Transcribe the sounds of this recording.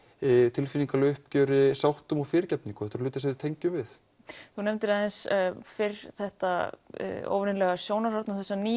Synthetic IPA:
t̪ʰɪlfiniŋkalœhpcœːɾɪsawht̪ʏmawfɪːɾɪɾcɛp̚nĩŋkʏ̥θɛht̪aɾ̥lʏːt̪ɪs̬ɛðɪt̪ʰejɲcʏmvɪθ | θunɛmnt̪ɪɾaðɛnsfɪɾθɛht̪a̰ | o̰wvnɪnlɛɣasjoːwnaɾhaɾt̪namθɛsːaniː

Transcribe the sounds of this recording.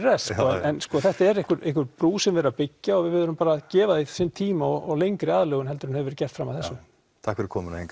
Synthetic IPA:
ɾɛskɔɛnskɔθɛht̪aɛɾɪhkʏɾehkʏɾpɾuːsɛmvɪɾapɪcːaɔɣvɪðvɪðʏɾʏmpaːɾacɛːvaðisɪnt̪ʰiːmaɔɣɔɣlejŋkɾɪaːðlœːɣʏnɦɛlt̪ʏɾhnhɛvɪɾcɛr̥t̪fɾamaðθɛsːʏ | t̪ʰahkvɛɾɪɾkʰɔːmʏnaheŋk

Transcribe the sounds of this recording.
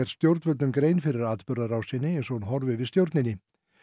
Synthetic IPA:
ɛɾ̥st̪jowɾt̪vʏt̪ʏmkɾeːjnfɪɾɪɾaːt̪pʏɾðaɾawsɪnːɪɛnsɔɣnɦɔɾvɪvɪðst̪jowɾt̪nɪnːɪ

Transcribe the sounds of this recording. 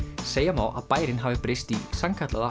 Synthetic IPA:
seːjamaːwʔa̰ðpaːjɾɪnɦaːvɪpɾɪst̪isamkʰat̪laða

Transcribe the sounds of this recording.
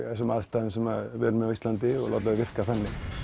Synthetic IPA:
ɛsɔmaðst̪aːðʏmsɛmaðvɛːɾmɛðavist̪lant̪ɪɔ̰la̰t̪laðvɪr̥kaθanːɪ

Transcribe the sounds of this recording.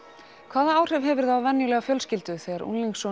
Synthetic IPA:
kʰv̥aːðaaːwr̥ɛvɦɛvʏɾ̥θawvɛnːjʏlɛːɣafjœlscɪlt̪ʏθɛɣaɾʔṵnliŋksɔ

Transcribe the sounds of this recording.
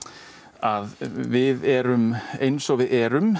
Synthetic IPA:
aðvɪðɛɾʏmejnsɔwvɪðɛːɾʏm

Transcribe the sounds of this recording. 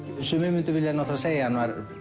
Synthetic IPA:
sʏːmɪmɪnt̪ʏvɪljɛnawθaðseːjahanvaɾ

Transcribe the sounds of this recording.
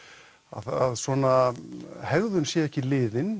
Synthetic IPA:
a̰ðaðsvɔnahɛɣðʏnsjɛɛhcɪlɪːðɪn

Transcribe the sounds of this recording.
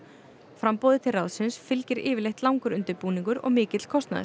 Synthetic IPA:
fɾampɔːðɪt̪ʰɪlrawðsɪnsfɪlcɪɾɪːvɪlejht̪lawŋkʏɾʏnt̪ɪɾpuːniŋkʏɾɔ̰ɣmɪːcɪt̪l̥kʰɔst̪na̰ð̰

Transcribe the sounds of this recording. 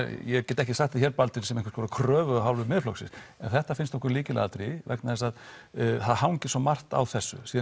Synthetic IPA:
jɛɣcɛt̪ɛhcɪsaht̪ɪçɛɾpalt̪ɪlsɛmeŋkv̥skʰɔɾakʰɾœːvʏaɦawlvɪmɪðflɔksɪ̰sɛnθɛht̪afɪnst̪ɔhkʏɾliːcɪlɛ̰ːɣat̪ʰɾivɛ̰knaðɛsaðθaðhawŋcɪ̥sɔmar̥t̪a̰wθɛsːʏ̰siːð

